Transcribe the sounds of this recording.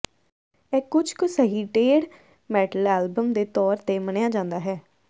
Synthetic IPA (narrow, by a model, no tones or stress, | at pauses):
ɛːkʊt͡ʃkʊsəɦiːʈeːɽ | mɛːʈəlɛːlbəmd̪eːt̪ɔːɾt̪eːməɳejaːd͡ʒãːnd̪aːɦɛː